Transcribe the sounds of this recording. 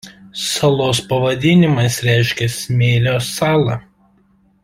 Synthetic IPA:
sɐlˠoːspɐʋɐd̪ʲɪnʲɪmɐsɾʲæˑɪʃʲkʲɛsʲmʲeːlʲoːsɑːlˠɐ

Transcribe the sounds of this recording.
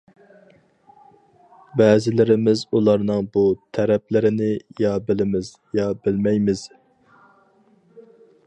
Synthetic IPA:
bɛːzɪlɪɾɪmɪzulˠɑɾnɨŋbut̪ʰæɾɛplɪɾɪnɪjɑbɪlɪmɪz̥ | jɑbɪlmɛjmɪz̥

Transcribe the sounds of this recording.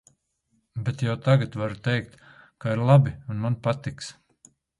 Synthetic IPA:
bɛt̪jawt̪aɡat̪vaɾut̪ɛjk̚t̪kaiɾlˠabiunmanpat̪iks

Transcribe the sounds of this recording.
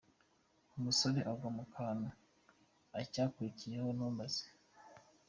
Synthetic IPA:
umusoɾeʔaɡɡamukʰaːna | acaːkwiicijehonuːmbaz̥i̥

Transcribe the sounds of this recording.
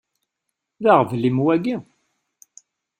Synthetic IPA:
ðaʁvlimwæɡi

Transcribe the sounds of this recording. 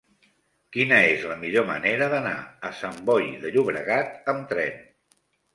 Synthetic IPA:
kinəezləmiʎomə̰neɾəðəna̰əsəmbɔjðəʎuβɾəɣat̪əmt̪ɾɛn

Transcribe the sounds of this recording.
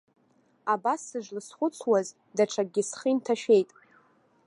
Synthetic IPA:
abasːɨʐlɨsχʷʊt͡sʰwaz | daʈ͡ʂʰaɡʲɪsχintʰaʃᶣe̞jtʼ

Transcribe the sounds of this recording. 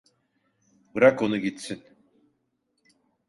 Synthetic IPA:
bɯɾako̞nuɟit̪sin

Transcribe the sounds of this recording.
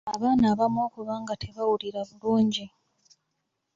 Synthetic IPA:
aβaːnaːβamo̞ːkuβaːŋɡatʰe̞βawuliɾaβuluːɲɟi

